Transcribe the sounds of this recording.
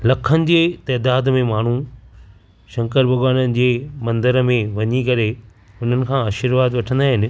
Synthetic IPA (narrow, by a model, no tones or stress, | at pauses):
lɐkʰənɪ̆d͡ʑeːt̪ɐːd̪aːd̪mẽmaːɳ̤u | ʃɐ̃ŋkəɾbʱɐɡaːnənɪ̆d͡ʑeːmɐ̃nd̪əɾmẽʋɐɲikɐɾe | ʊn̤ənɪ̆kʰãːaːʃɪɾʋaːd̪ʋɐʈʰə̃nd̪aːɦɪnɪ̆